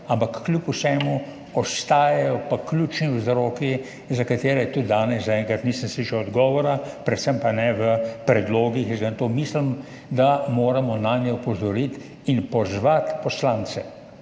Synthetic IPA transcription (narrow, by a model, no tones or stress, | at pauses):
ampakːlʲupusɛːmu | ɔst̪aːjajɔpaklut͡ʃniwzɾoːki | zakat̪eːɾɛjt̪ud̪aːnɛszaɛŋkɾat̪niːsə̃nsliːʃɛwɔd̪ɡɔːʋɔɾapɾɛt̪səmpanɛʋəpɾɛd̪loːɡixzɛnt̪oːmislim | d̪amoːɾamɔnaːnjɛɔpɔzɔɾit̪ | inpɔzʋat̪pɔslaːnt͡s̪ɛ